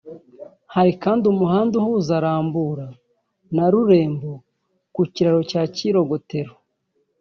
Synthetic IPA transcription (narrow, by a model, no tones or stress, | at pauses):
haɾikaːndiumuhaːnduhuːzaɾaːmbuɾa | naɾuɾe̞ːmbo | kuciɾaɾo̞caːciɾo̞ɡo̞te̞ɾo